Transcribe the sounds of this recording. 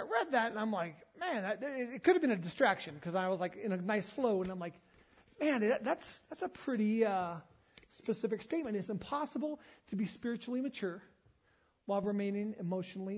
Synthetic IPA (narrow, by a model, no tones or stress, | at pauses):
aɪɹɛd̪̚ðæɾɨ̃nãɪ̃mlaɪkmæ̃nðɨt̚ɪɪt̚kʊɾɨvbɨ̃nɨdɨstɹ̥ækʃɨ̃nkʰʌzaɪwʌzlaɪkɨ̃nɨnaɪsfloʊə̃nãɪ̃mlaɪk | mæ̃næðætsðætsəpʰɹ̥ɪɾiʌ | spɨsɪfɨksteɪt̚mɨ̃nɨtsɨ̃mpʰɑsəbl̩ˠtʰɨbispɪɹɨt͡ʃul̩ˠimɨt͡ʃʰʊɹ | waɪlˠɹɨmẽɪ̃nɪ̃ŋɨmoʊʃn̩l̩ˠi